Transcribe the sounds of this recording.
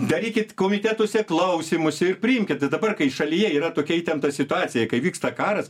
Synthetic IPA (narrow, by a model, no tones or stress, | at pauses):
d̪ɐɾʲiːkʲɪt̪koːmʲɪt̪ʲæt̪oːsʲɛklˠɐʊsʲiːmʊsʲɪrpʲɾʲɪɪmʲkʲɪt̪t̪ɐɪd̪ɐbɐrkɐɪʃɐlʲɪjɛiːɾɐt̪oːkʲɛit̪ʲɛnt̪ɐsʲɪt̪ʊɑːt͡sʲɪjɛkɐɪʋʲiːkst̪ɐkɑːɾɐs